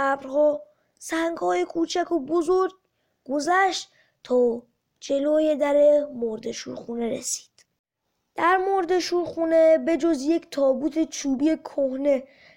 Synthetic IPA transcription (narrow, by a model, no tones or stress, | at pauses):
bɾhɔː | sæŋɡhɒːjekʰuːt͡ʃʰækʰobozoɾɡ̚ | ɡozæʃt̪ | t̪ʰɒː | d͡ʒe̞loːjed̪æɾemoɾd̪eʃṵːɾxuːneɾḛsi̥ːd̪̥ | d̪̥æɾmoɾd̪e̞ʃuːɾxuːnebe̞d͡ʒozjecʰt̪ʰɒːbuːt̪ʰet͡ʃʰuːbijekʰohne